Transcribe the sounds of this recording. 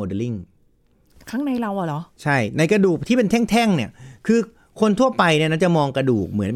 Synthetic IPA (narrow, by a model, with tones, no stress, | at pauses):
oː˧de˧li˥˩ŋ | kʰaː˦˥˩ŋna˧jla˧wʔa˨˩lɔ˨˦t͡ɕʰa˥˩jna˧jka˧duː˨˩k̚t̪ʰiː˥˩pe˧nt̪ʰɛ˥˩ŋt̪ʰɛ˥˩ŋni˥˩ɐkʰɯː˧ | kʰo˧nt̪ʰu˥˩ɐpa˧jni˥˩na˥˩t͡ɕa˨˩mɔː˧ŋkɾa˧duː˨˩k̚mɯ˩˦ən